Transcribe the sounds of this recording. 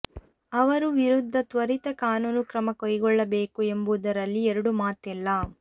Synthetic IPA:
ɐʋɐɾuʋiɾud̪ʱːɐt̪ʋɐɾit̪ɐkaːnuːnukɾɐmɐkɔjɡɔɭːɐbeːkue̞mbud̪ɐɾɐlːiɛɾɐɽumaːt̪ɛlːɐ

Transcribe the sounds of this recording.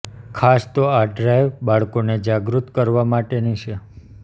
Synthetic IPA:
kʰast̪oaɖɾajʋbaɭkoned͡ʒaɡɾut̪kəɾʋamaʈenit͡ʃʰe

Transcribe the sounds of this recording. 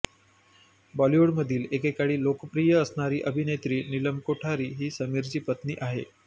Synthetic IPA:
bɔlioɽməd̪ʱiːlekekaɽiːlokəpɾijəəsɳaɾiːʔəbʱinet̪ɾiːniləmkoʈʰaɾiːɦiːsəmiɾt͡ɕiːpət̪niːʔaɦḛ

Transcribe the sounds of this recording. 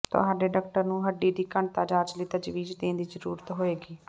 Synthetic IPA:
t̪ʊ̰ɦaːɖeːɖəːk̚ʈəɾnũːɦəɖːiːd̪iːkəɳt̪aːd͡ʒaːd͡ʒliːt̪əd͡ʒʋiːd͡ʒd̪ẽːnd̪iːzəɾṵːɾət̪ɦoːeːɡiː

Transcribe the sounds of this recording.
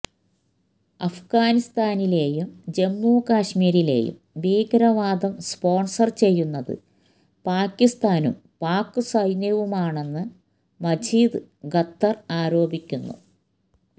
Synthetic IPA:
ɐfɡaːnist̪aːnile̞ːjumd͡ʑe̞mːuːkaːʂmiːɾile̞̰ːjṵm | ʋiːɡɐɾɐʋaːd̪ɐmspo̞ːɳsɐrt͡ɕe̞jːunːɐðɨ̰ | paːkːist̪aːnṵm | paːkːɨsɐjnjɐʋumaːɳe̞nːɨ | mɐd͡ʑiːd̪ɨɡɐt̪ːɐraːɾo̞ːbikʲːunːṵ

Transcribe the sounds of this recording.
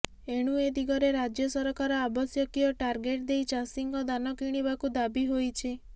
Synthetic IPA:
eɽ̃ued̪iɡɔɾeɾad͡ʒjɔsɔɾɔkaɾɔabɔsjɔkiɔʈaɾɡeʈd̪ejt͡ʃasiŋɡɔd̪anɔkiɽ̃ibakud̪abiɦojt͡ʃʰi

